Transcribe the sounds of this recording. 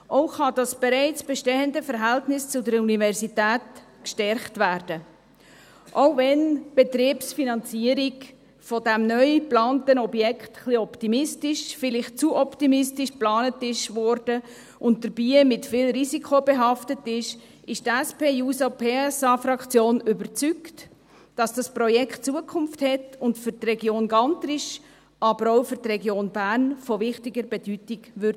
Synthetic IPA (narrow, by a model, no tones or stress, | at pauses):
ʔoʊχɑd̥ɑsb̥ɛɾɛɪt͡sb̥ɛʃteəndəfəɾɦæltnɪst͡sʊdəɾunivɛɾsitæːtkʃtɛɾχtvæːɾd̥ə | ʔoʊvɛnb̥ɛt̪ɾiːpsfinɑnt͡siəɾik | fɔdæmnœʏplɑːnt̪ənɔbjɛkχtχliɔptimɪstɪʃfɪlɪχt͡suʔɔptimɪstɪʃplɑːnətɪʃʋɔɾd̥ə | ʔʊnt̚d̥əɾb̥iːmɪtfɪːlɾizikχobɛɦɑftətɪʃ | ʔɪʃtæspeːjuːsopʰeːɛsɑːfɾɑkt͡sjoːnʏbəɾt͡sykt | d̥ɑsd̥ɑsprɔjɛkχtt͡suəkʰχʊmfthɛtʊntfʏɾtrɛɡjoːnɡɑnt̪ɾɪʃ | ɑbəɾɔʊfʏɾtrɛɡjoːnbæːɾnfɔvɪχtɪɡəɾbɛd̥ytiɡʋʏɾd